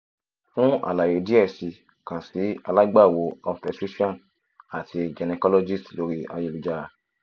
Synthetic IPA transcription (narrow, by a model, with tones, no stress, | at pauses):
fũ˦a̰˨la˨je˨di˦ɛ˦˨si˨ | kã˨si˨˦a˧la˦ɡ͡ba˦˨wo˧˦ɔ˧fpɛ˨tɾi˦ʃɔ̃˦˨n | a˨tʰi˧d͡ʒɛ˨nɛ˧kɔ˦lɔ˦d͡ʒi˦˨stlo˨˦ɾi˦a̰˧je˧lu˨d͡ʒa˦ɾa˧˦